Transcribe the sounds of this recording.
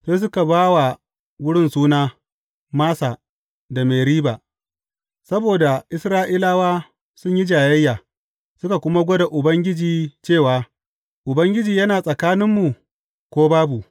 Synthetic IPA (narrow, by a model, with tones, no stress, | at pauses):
seː˦s̬ʊ˦ka˨baː˦wa˨ | wʊ˦ɽɪ˦nsuː˦naː˦ | maː˦saː˨ | da˨meː˨ɾiː˦baː˨ | sɐ˦boː˨da˨ʔɪ˦sɾaː˦ʔiː˦laː˦waː˦ | sʊ˦ɲji˦d͡ʒaː˨jɐ˦jːaː˨ | sʊ˦ka˨kʷʊ˦ma˦ɡʷo˦da˨ʔʊ˨bɐ˦ŋɡʲɪ˦d͡ʒiː˨t͡ʃeː˦˨waː˦ | ʔʊ˨bɐ˦ŋɡʲɪ˦d͡ʒiː˨jɐ˦naː˨sʼɐ˨kaː˦nɪ˦mːu˨ | kʷoː˦baː˦bu˨